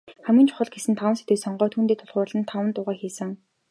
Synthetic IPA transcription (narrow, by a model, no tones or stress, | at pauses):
χæmɡĭnt͡ɕʰʊ̥χə̆ɮɡesɘ̆nt̪ʰawə̆nse̥t̪ujsɔɴɢœːt̪ʰuːnt̪eːt̪ʰʊɮʁʊːrɮə̆nt̪ʰawə̆nt̪ʊːʁæːxiːsɘ̆ŋ